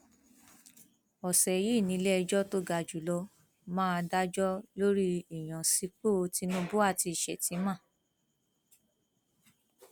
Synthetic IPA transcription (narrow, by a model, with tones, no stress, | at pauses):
ɔ˨sɛ˨ji˦˨nĩ˨˧˦lɛ˦ɛ˧d͡ʒɔ˦to˦ɡa˨d͡ʒu˨lɔ˧ | mãː˦˧da˦d͡ʒɔ˦lo˦ɾi˦i˨j̃ã˨si˨˧k͡po˦˧˦ti˧˦nũ˦bu˦a˦˨ti˧i˨ʃɛ˨tĩ˨˦mã˦˨